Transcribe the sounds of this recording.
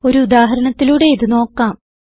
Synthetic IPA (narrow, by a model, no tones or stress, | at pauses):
o̞ɾuud̪aːɦɐɾɐɳɐt̪ːiluːɽe̞iðɨno̞ːkːaːm